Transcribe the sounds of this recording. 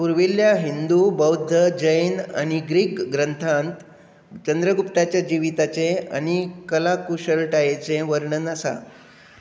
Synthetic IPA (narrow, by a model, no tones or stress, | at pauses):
puɾʋiljaɦind̪ubəwd̪ʱːəd͡ʑəjna̰ñiɡɾiːkɡɾənt̪ʰãnt̪ | t͡ɕənd̪ɾəɡupt̪at͡ɕjad͡ʑiʋit̪at͡sea̰ɽ̃ikəlakuɕəɭʈajet͡seʋəɾɳənasa̰